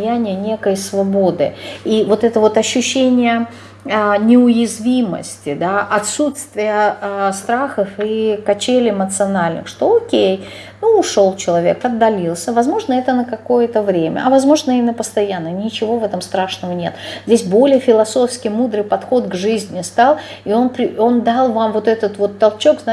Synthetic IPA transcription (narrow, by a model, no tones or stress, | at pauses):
jænʲɪjənʲe̞kəjsvɐbo̞d̪ɨ̰ivo̞t̪ɛt̪əvo̞t̪ɐɕːʉɕːenʲɪjə | nʲɪʊjɪzvʲimə̰sʲtʲɪd̪aʔɐt̪sut̪st̪vʲɪjəst̪ɾaxəfikɐt͡ɕelʲɪmət̪sɨɐnalʲnɨ̰xʂt̪o̞okʲej | nuʊʂo̞lˠt͡ɕɪlˠɐvʲe̞̰kɐd̪ːɐlʲilˠsʲəvɐzmo̞ʐnəɛt̪ənəkɐko̞jət̪əvɾʲemʲə̰ʔɐvɐzmo̞ʐnəimʲɪnːəpəst̪ɐjanːənʲɪt͡ɕɪvo̞vɛt̪əmst̪ɾaʂnəvənʲe̞̰t̪zʲdʲes̬ʲbo̞lʲɪjəfʲɪlˠɐso̞fskʲɪjmud̪ɾɨjpɐt̪xo̞t̪ɡʐɨzʲnʲɪst̪alˠ | io̞npɾʲɪo̞nd̪alˠvamvo̞t̪ɛt̪ət̪vo̞t̪ːɐlˠt͡ɕo̞kzna